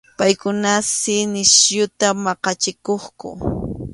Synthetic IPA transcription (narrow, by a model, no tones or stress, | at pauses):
pajkʊnasɪnɪsjʊt̪amɑqɑt͡ʃɪkoχkʊ̰